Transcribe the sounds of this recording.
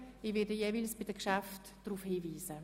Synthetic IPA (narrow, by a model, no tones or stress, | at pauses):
iʋɪɐdəjeːvilsb̥id̥əkʃaft | d̥ɾufhiːviːzə